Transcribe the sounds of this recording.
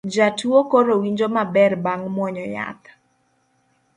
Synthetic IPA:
d͡ʒatuokoɾowiɲd͡ʒomabɛrbaŋmwɔɲɔja̰t̪

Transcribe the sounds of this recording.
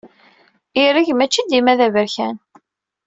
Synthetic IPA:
iɾiʝmæt͡ʃːid̪imæðævəɾçæn

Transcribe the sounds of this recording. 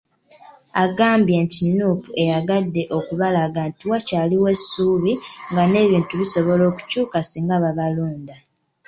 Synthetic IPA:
aɡaːmbje̞ntinːuːpuʔe̞jaɡadːe̞ʔo̞kuβalaɡantiwacaːliwe̞suβiŋɡane̞ːβiːntuβiso̞βo̞lo̞ːku̥cuːkasiːŋɡaβaβaloːnda

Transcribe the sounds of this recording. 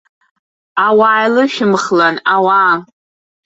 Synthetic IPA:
awaːjlɨʃᶣɪmχlanawa

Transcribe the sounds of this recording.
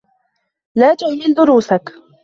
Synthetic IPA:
laːt̪ʊʕmɪld̪ʊɾuːsak

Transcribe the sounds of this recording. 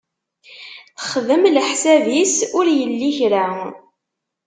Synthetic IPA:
θə̥χðəmləħsævisʊɾjəlːiçɾa

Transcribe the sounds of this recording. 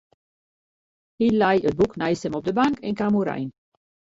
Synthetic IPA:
hilɛjət̚buknɛjstɛmɔp̚dəbaŋkʰɛnkamuɾɛ̰jn

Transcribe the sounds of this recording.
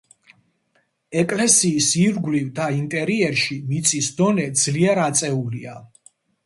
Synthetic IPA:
ɛkʼlɛsiːsiɾɡlivd̪aint̪ʼɛɾiɛɾʃimit̪sʰʼisd̪ɔnɛd̪z̥liɛɾat̪sʼɛulia

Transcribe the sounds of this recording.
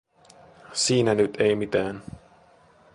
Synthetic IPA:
siːnænyt̪ʰejmit̪æːn

